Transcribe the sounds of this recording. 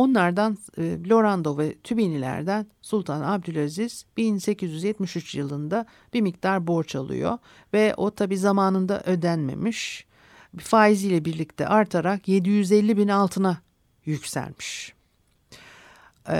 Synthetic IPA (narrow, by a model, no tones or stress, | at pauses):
o̞nlˠaɾd̪anlʲo̞ɾand̪o̞vɛt̪ʰybinilʲæ̰ɾd̪ænsulˠt̪ʰanab̚d̪ylʲaziz̥b̥inse̞cizjyzjɛt̪miʃyt͡ʃjɯlˠɯnd̪a | b̥iɾmic̚t̪aɾbo̞ɾt͡ʃalˠɯ̰jo̞̰ | vɛo̞̰t̪ʰabiːzamaːnɯnd̪a̰ʔø̞d̪ænme̞̰miʃ | faːizijlʲɛbiɾlʲic̚t̪ʰɛ̰ʔaɾt̪ʰaɾakje̞d̪ijyzɛlʲːibinalˠt̪ʰɯna | jycsæ̰lʲmiʃ